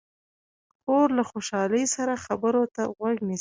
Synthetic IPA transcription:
koɾlaxoʃɑləjsaɾaxabəɾot̪aɣwaɡnis

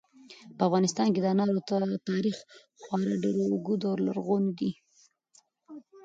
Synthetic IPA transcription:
pəafɣɑnɪst̪ɑnked̪nɑɾot̪at̪ɑɾix | xwɑɾaɖeɾouɡud̪awɾla̰ɾɣond̪i

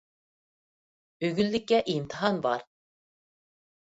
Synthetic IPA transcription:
øɡʲylːɪkʲːɛʔimt̪ʰəɦɑnbɑ̰ɾ

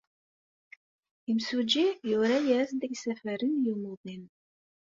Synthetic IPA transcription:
imsud͡ʒijʊɾæjæsd̪əɡsæfəɾənjumʊðˤin

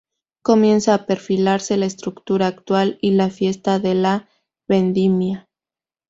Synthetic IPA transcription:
ko̞mje̞nsaːpe̞ɾfilaɾse̞laest̪ɾukt̪uɾaːkt̪walilafje̞st̪aðe̞la | βe̞nd̪imja

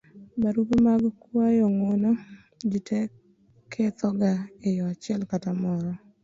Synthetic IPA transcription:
baɾupmaɡkwajɔŋono | d͡ʒitʰɛ | kʰet̪ɔɡaejɔat͡ʃɪɛlkatamɔɾɔ

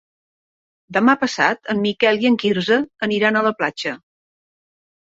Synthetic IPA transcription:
d̪əmapəsa̰t̪əmːikɛliəŋkiɾzəːniɾanələplat͡ʃə

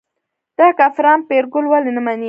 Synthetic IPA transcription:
d̪̥ɑkafɾɑnpeɾɡʊlwalenamani

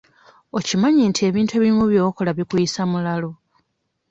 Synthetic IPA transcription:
o̞cimaɲintie̞ːβiːntue̞βimuβjo̞ːkolaβikujisamulalo̞

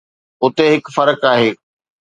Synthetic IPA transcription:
ʊt̪eɦɪkfɐɾəkaːɦeː

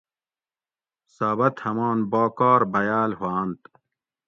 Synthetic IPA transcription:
saːβɐt̪hɐmaːnboːkaːɾbɐjaːlhwaːnt̪

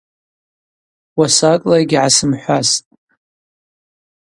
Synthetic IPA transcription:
wasakʼlaiɡʲʕasɨmħʷastʼ

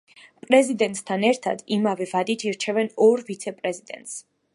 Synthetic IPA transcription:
pʼɾɛzid̪ɛnt̪ʼst̪ʰanɛɾt̪ʰa̰d̪imavɛvad̪it̪ʰiɾt͡ʃʰɛvɛnɔɾvit̪sʰɛpʼɾɛzid̪ɛ̰nt̪ʼs

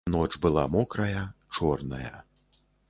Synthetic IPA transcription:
nɔt͡ʂbɨlˠamɔkɾɐjɐt͡ʂɔrnɐjɐ̰

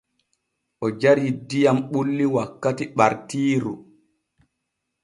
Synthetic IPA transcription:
ʔɔd͡ʒaɾidijamɓulːiwakːatiɓaɾtiːɾu

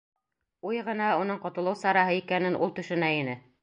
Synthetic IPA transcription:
ujʁɤ̆nɑunɤɴqŏt̪ɤ̆lˠɤwsɑɾɑɦɤikænɘnʔṵlˠt̪ɵ̆ʃɵ̆næinɘ

